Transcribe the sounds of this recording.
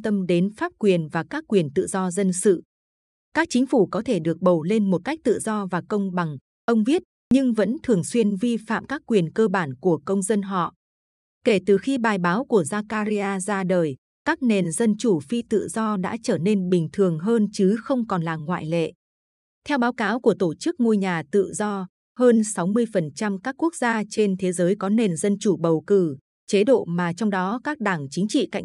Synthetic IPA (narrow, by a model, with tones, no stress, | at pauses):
t̪ə˧mɗe˨˦nfaː˦˥p̚kwi˨˩ənvaː˨˩kaː˦˥kːwi˨˩ənt̪ɨ̰˧˨zɔ˧zə˧nsɨ̰˧˨ | kaː˦˥k̚t͡ɕï˨˦ŋ̟fu˧˩kɔ˨˦t̪ʰe˧˩ɗɨ˨˩ək̚ɓə˨˧˩wle˧nmo˨˩t̚ka˦˥k̚t̪ɨ̰˧˨zɔ˧vaː˨˩kə˧wŋ͡mɓa˨˩ŋ | ʔə˧wŋ͡mvi˦˥ət̚ | ɲɨ˧ŋvə̰˧˥nt̪ʰɨ˨˩əŋswi˧ənvi˧fa̰ː˧˨mkaː˦˥kːwi˨˩ənkəː˧ɓaː˧˩nku˧˩əkə˧wŋ͡mzə˧nɦɔ̰˧˨ | ke˧˩t̪ɨ˨˩xi˧ɓaː˨˩jɓaː˨˦wku˧˩əzaː˧kaː˧zi˧ʔaː˧zaː˧ɗəː˨˩j | kaː˦˥k̚ne˨˩nzə˧nt͡ɕu˧˩fi˧t̪ɨ̰˧˨zɔ˧ɗa̰ː˧˥t͡ɕəː˧˩ne˧nɓï˨˩ŋ̟t̪ʰɨ˨˩əŋɦəː˧nt͡ɕɨ˨˦xə˧wŋ͡mkɔ˨˩nlaː˨˩ŋwa̰ː˧˨jlḛ˧˨ | t̪ʰɛ˧wɓaː˨˦wkaː˨˦wku˧˩ət̪o˧˩t͡ɕɨ˦˥k̚ŋo˧əjɲaː˨˩t̪ɨ̰˧˨zɔ˧ | həː˧nsa˨˦wmɨ˧əjfə˨˩nt͡ɕa˧mkaː˦˥kːu˦˥ək̚zaː˧t͡ɕe˧nt̪ʰe˨˦zəː˨˦jkɔ˨˦ne˨˩nzə˧nt͡ɕu˧˩ɓə˨˩wkɨ˧˩ | t͡ɕe˨˦ɗo̰˧˨maː˨˩t͡ɕɔ˧wŋ͡mɗɔ˨˦kaː˦˥k̚ɗaː˧˩ŋt͡ɕï˨˦ŋ̟t͡ɕḭ˧˨ka̰˧˨